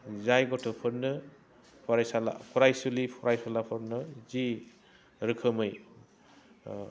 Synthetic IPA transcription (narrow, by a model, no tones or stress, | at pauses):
zajɡɔtʰɯpʰɯɾnɯ | pʰɔɾajsala̰pʰɔɾajsulipʰɔɾʔajsalapʰɯɾnɯzi | ɾɯkʰɯmɯj